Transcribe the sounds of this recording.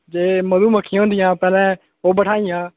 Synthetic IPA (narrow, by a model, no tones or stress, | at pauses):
d͡ʒeːməd̪uːməkʰːij̃ɦõːnd̪ɪjãːpɛːlɛ̃ː | oːbəʈʰaːijãː